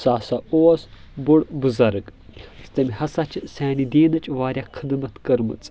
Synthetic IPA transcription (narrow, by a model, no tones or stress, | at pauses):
saːsɐoːɐs | buɽbɨzɐɾɨkst̪ɐmʲihɐsɐt͡ʃʰɨsʲaːnid̪iːnɐt͡ʃʼʋaːɾʲjakʰɨd̪mɐt̪kɐɾmɨ̰t͡sʼ